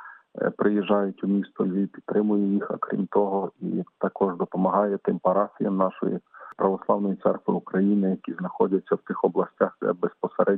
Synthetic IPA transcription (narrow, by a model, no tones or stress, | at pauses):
pɾɪjiʒːɑjʊtʲumʲist̪ɔlʲʋʲipʲid̪t̪ːɾɪmʊjɛjixɐ̰kɾʲḭmt̪ɔɦɔḭt̪ɐkɔʒd̪ɔpɔmɐɦɑjɛt̪ɪmpɐɾɑfʲijɐmnɑʃɔ̰jḭpɾɐʋɔslˠɑwnɔjit̪sɛrkʋɪ̰ukɾɐjinɪjɐkʲiznɐxɔdʲɐt͡sʲːɐwt̪ɪxɔblˠɐsʲtʲaxd̪ɛ̰bespɔseɾʔɛ